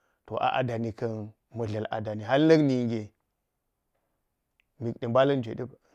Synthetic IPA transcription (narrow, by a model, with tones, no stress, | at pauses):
to˨ʔa̰˨ʔa̰˨da˨ni˨kɐ˦n | mɐ˨ɮa˨la̰˨da˨ni˨ɦa˦lnɐ˦kni˨ŋɡʲe˨ | mi˨kɗi˨ba˦lɐ˦nd͡ʒʷḛ˨ɗi˦b